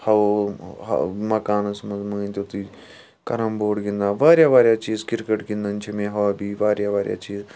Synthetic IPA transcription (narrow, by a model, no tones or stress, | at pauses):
hɐ̰ | mɐkaːnɐsmɐzməːnʲt̪ot̪i | kɐɾɐmboːɽɡĩnd̪aːʋaːɾjaːʋaːɾjaːt͡ʃiːzkɪɾkəʈɡĩnd̪ɐnt͡ʃʰimẽɦɐʋabiːʋaːɾjaːʋaːɾja̰ːt͡ʃiːz